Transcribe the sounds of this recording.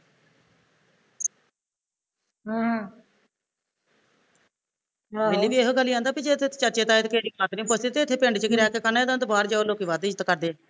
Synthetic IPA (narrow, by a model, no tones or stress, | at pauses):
ɦːɦ | elːiːʋiːeːɦoɡəlːiːãːnd̪aːpid͡ʒet̪ʰːet͡ʃəɾt͡ʃeːt̪aːet̪ːkeːɽiːkaːt̪nĩːpəst̪iːt̪eːɪt̪ʰːeːpɪ̃ɳɖt͡ʃəkɪɾɛːkeːkənaːd̪ãːt̪obaːɾd͡ʒaːoːloːkiːʋaːd̪iːd͡ʒət̪kəɾd̪eː